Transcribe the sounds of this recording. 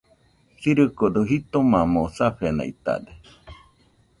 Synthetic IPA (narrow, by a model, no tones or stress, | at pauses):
siɾɨkod̪oɦit̪omamosaɸena̰ḭt̪a̰d̪e